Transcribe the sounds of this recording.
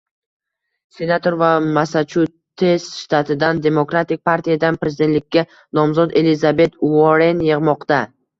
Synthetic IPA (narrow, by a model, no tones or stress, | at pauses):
se̞nat̪ʰo̞ɾvamasat͡ʃʰu | t̪ʰe̞sʃt̪ʰat̪ʰɪd̪and̪e̞mokɾat̪ɪk̚ʲpʰaɾt̪ʰijad̪anpɾe̞zɪd̪e̞t̪lɪkʲːa | nɒmzɒd̪e̞lɪzabe̞t̪ʊɒɾe̞njɨʁmɒqt̪a